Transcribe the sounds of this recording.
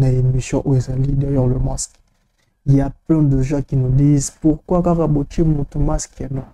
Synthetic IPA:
naemisjɔ̃ʔoezãlid̪ɛjɔʁləmask | iljaplɛ̃d̪əʒɑ̃kinud̪iːzpuʁkwakaʁabot͡ʃimũt̪umaskanɔ̃

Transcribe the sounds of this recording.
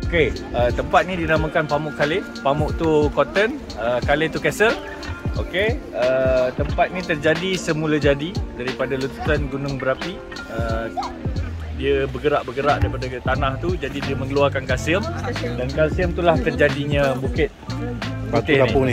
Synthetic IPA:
okeət̪əmpat̪̚nĩdinamə̃kanpamʊʔkale | pamʊʔt̪ukot̪ən | əkalet̪ukɛsəl | okeət̪əmpat̪̚nĩt̪ərd͡ʒadisəmulad͡ʒadidaɾipadalut̪u̥sanɡunʊŋbəɾapi | ə | diəbəɡəɾaʔbəɡəɾaʔdaɾipadat̪anãht̪ud͡ʒadidiəmə̃ŋəluarkankasiəmdankasiəmt̪ulaht̪ərd͡ʒadiɲãbukɪt̪̚pat̪ɪhkanipʊni

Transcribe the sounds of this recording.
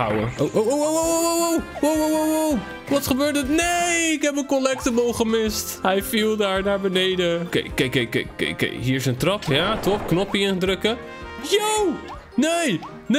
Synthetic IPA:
a̰wə̰ʔoʔooowowowowow | wowowowow | ʋɔtsχəbøːɹtətnejɪkɦɛpənkolɛk̚təbolˠχəmɪstajfilˠdaːɹnaːɹbənejdəkḛkekekḛkḛkḛjɦiːɹɪsəntrɑpjatopknɔpiɪ̃ndrɵkə | jow | nej | n

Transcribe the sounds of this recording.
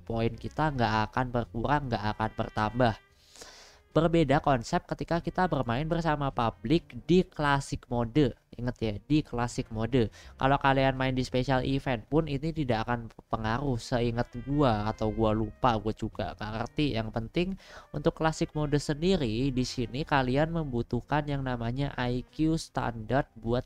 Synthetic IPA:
poɪnkit̪aŋɡaʔakanbərkuɾaŋɡaʔakanbə̰rt̪ambah | b̥ərbedakɔnsɛp̚kət̪ikakit̪abərmaɪnbərsamapablɪk̚diklasɪk̚modəḭŋət̪jadiklasɪk̚modəka̰lokalianmaɪndispesialʔifɛnpʊninit̪idaakanpəŋaɾʊhsəiŋət̪̚ɡuaːt̪awɡualupaɡuad͡ʒuɡa̰ŋɡaʔkə̰rt̪ijaŋpənt̪ɪŋunt̪ʊkːlasɪk̚modəsəndiɾidisinikalianməmbut̪uhkanjaŋnamaɲaʔajkjust̪a̰ndart̪̚buat̪̚

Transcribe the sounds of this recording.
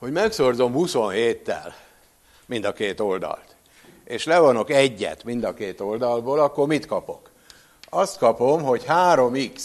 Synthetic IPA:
ho̞ɟmɛkso̞rzo̞mhuso̞nɦeːt̪ːɛ̰l | mind̪ɒkeːt̪o̞ld̪ɒ̰lt̪ | eːʃlɛvɒno̞kɛɟːɛ̰t̪mind̪ɒkeːt̪o̞ld̪ɒlboːlɒkːormit̪kɒpo̞̰k | ɒst̪kɒpo̞mɦo̞chaːɾo̞miks

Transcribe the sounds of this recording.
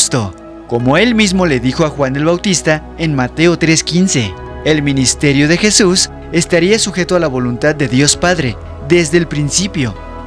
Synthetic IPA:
st̪o | ko̞mo̞e̞lmizmo̞le̞ðixo̞axwane̞lβawt̪ist̪a | enmat̪e̞ot̪ɾe̞skinse̞̰ | elmĩnist̪e̞ɾjo̞ðe̞xe̞sus | e̞st̪aɾiasuxe̞t̪oalaβo̞lunt̪að̚ːe̞ðjo̞spaðɾe̞ | ðe̞zðe̞ːlpɾinsipjo̞̰

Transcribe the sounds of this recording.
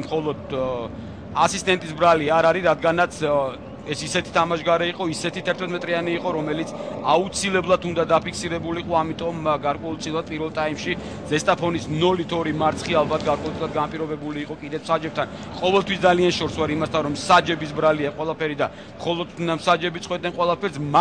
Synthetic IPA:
mχɔlˠɔd̪ | asist̪ʼɛnt̪ʼisbɾaliaɾaɾiɾad̪ɡanat̪sʰ | ɛsisɛt̪ʰi̥t̪ʰamaʃɡaɾɛiqʼɔisɛt̪ʰit̪ʰɛɾt̪ʰmɛt̪ʰmɛt̪ʼɾianiːqʼɔɾɔmɛlit̪sʰaut̪sʰilɛblˠat̪ʰund̪ad̪apʰikʰsiɾɛbuliːqʼɔamit̪ʼɔmɡaɾkʼwɛulˠt̪sʼilˠad̪̥̚pʼiɾvɛlˠt̪ʼaimʃi | zɛst̪ʼapʰɔnisnɔlit̪ʰɔɾimaɾt̪sʰχialˠbat̪̚ʰɡaɾkʼwɛlˠt̪ʼilˠad̪ɡanapʼiɾɔbɛbuliːqʼɔkʼid̪ɛt̪sʰm̥sad͡ʒɛb̚t̪ʰan | qʼɔvɛlt̪ʰwisd̪zalianʃɔɾswaɾimast̪ʰanɾɔmsad͡ʒɛbisbɾaliaqʼwɛlˠapʰɛɾid̪a | mχɔlˠɔd̪msad͡ʒɛbit̪sʰʼχwɛt̪̚ʼnɛnqʼwɛlˠapʰɛɾsm

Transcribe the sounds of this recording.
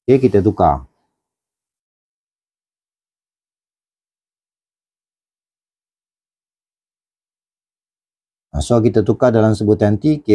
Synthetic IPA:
ekit̪ət̪̬uka̰ | a̰sok̬it̪ət̪ukadalamsəbut̪ant̪ike

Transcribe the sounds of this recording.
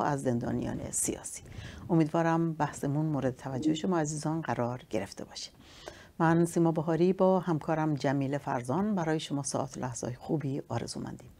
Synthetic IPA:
æzːe̞nd̪ɒ̰ːnijɒ̰ːnḛsijɒ̰ːsi̥ːʔo̞miːd̪vɒːɾæmbæhsemunmoːɾe̞d̪et̪ʰævæd͡ʒːoheʃo̞mɒːæziːzɒːnɡæɾɒːɾɟe̞ɾe̞ft̪e̞̰bɒːʃi̥ | mænsiːmɒːboɦɒːɾiːbɒːhæmkʰɒːɾæmd͡ʒæmiːlefæ̰ɾzɒːnbæɾɒːje̞ʃo̞mɒːsɒ̰ːʔɒːt̪ʰolʔæhz̥ɒ̰ːjexuːbiːʔɒːɾe̞̰zuːmæ̰nd̪iːm

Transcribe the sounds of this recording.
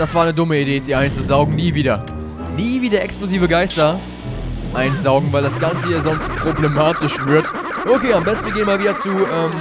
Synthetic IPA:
d̥asv̥aːɐnədʊməideːɛz̥iːʔaɪnt͡suzaʊɡŋ̩niːviːdɐ | niːviːdɐʔɛkskloziːvəɡaɪstɐ | ʔaɪnzaʊɡŋ̩vaɪldasɡ̥ant͡səjaːzɔnst̚pʁ̥oblemaːtɪʃv̥ɪɐt | ʔokʰeːambɛstn̩viːɐɡeːnmaːlviːdɐt͡suːʔɛːm

